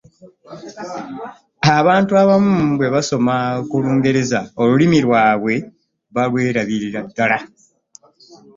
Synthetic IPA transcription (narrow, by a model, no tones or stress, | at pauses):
aβaːntuaβamubwe̞βaso̞makuluːŋɡe̞ɾe̞zao̞lulimiɾwaːβwe̞ | βalwe̞ːɾaβiɾiɾadːala